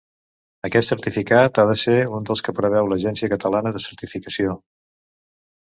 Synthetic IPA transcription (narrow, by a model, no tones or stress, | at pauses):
əkɛt̪səɾt̪ifikat̪aðəseund̪əlˠskəpɾəβ̞ɛwləʒɛnsiəkət̪əlanəðəsəɾt̪ifikəsio